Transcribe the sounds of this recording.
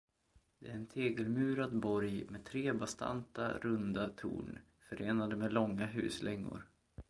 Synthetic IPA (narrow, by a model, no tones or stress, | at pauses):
d̪̥ɛæɾɛnt̪ʰeːɡəlmʉ̟ːɾad̪bɔɾjmet̪ʰɾeːbast̪ʰa̰nt̪a̰ɾɵnd̪at̪ʰṵːɳ | fœɾeːnad̪əmeːlɔŋːaɦʉ̟̰ːslɛŋːʊ̰ɾ